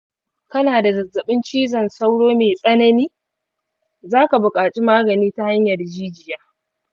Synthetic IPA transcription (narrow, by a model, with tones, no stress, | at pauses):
kɐ˦naː˨da˨zɐ˨zːɐ˨ɓɪ˦nt͡ʃiː˦zɐ˨nsa˦wɽoː˦meː˨sʼɐ˦nɐ˦niː˦ | zaː˦ka˨bʊ˨kʼaː˨t͡ʃʼi˦maː˦ɡɐ˨niː˦ta˦ha˦ɲjɐ˨rd͡ʒiː˦d͡ʒɪ˨jaː˦